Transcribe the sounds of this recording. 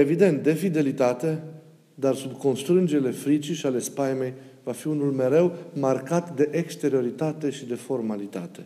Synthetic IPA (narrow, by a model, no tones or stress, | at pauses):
e̞vid̪e̞nt̪̚d̪e̞fid̪e̞lit̪at̪e̞ | d̪arsubko̞nst̪ɾɨnd͡ʒele̞fɾit͡ʃiʃiale̞spajme̞j | vafiunulme̞ɾe̞wmarkat̪d̪e̞ʔekst̪e̞ɾio̞ɾit̪at̪e̞ʃid̪e̞fo̞rmalit̪a̰t̪e̞